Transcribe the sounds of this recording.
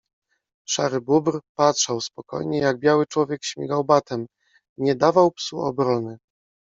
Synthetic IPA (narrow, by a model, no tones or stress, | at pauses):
ʂa̰ɾɘbubɾpatʂawspɔkɔ̰jɲɛjaɡ̚bjawɘt͡ʂwɔvʲjɛkɕmʲjɛɡawbat̪ɛm | ɲɛd̪avawpsuɔ̰bɾɔnɘ